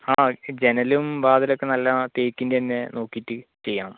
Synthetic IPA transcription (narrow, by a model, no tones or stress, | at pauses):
aːd͡ʑe̞nɐlumʋaːðilo̞kːe̞nɐlːɐt̪eːkːindeenːeno̞ːkːitːɨt͡ɕe̞jːaɳɐ